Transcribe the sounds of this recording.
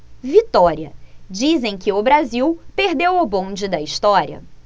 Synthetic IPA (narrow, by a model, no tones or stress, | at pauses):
vit̪ɔɾiɐd͡ʒizẽj̃kɪʊbɾaziwpeɾd̪ewʊbõd͡ʒɪd̪ɐist̪ɔɾiɐ̰